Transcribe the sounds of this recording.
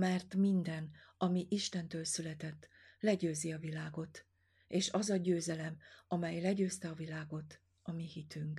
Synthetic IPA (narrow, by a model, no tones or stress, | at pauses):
mɛrt̪mind̪ɛnɒmiʔiʃt̪ɛnt̪øːlsylɛt̪ɛt̪ː | lɛɟøːziɒvilaːɡo̞t̪ | eːʃɒzɒɟøːzɛlɛmɒmɛjlɛɟøːst̪ɛɒvilaːɡo̞t̪ | ɒmihit̪yŋk